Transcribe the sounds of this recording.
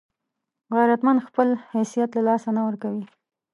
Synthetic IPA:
ɣajɾat̪mand̪xpəlhajsijat̪lalɑsanawəɾkawi

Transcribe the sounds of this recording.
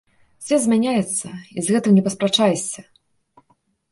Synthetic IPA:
sʲɔzʲmʲanʲajɛt̪sːɐizɣɛt̪ɨmnʲɛpɐspɾat͡ʂajsʲɐ

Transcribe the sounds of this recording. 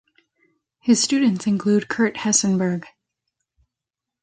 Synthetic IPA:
hɨz̥stʉdⁿn̩tsɨ̃nkʰl̥ʉd̚kʰɜ˞t̚hɛsɨ̃nbə˞ɡ̥

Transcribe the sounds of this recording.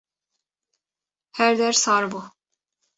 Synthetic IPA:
hæɾd̪æɾsaɾbu

